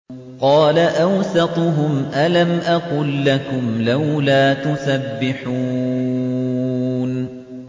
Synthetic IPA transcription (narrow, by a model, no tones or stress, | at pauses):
qɑːlaʔawsɑt̪ˤɦʊmʔalamʔɑqʊlːakʊmlawlaːt̪ʊsabːɪħuː | n